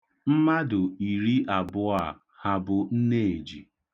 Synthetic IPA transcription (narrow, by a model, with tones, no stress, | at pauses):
m̩˦ma˦dʊ˨i˨ɾi˦ʔa˨bʊ˦a˨ | ha˨bʊ˨n̩˦ne˦˨e˨d͡ʒi˨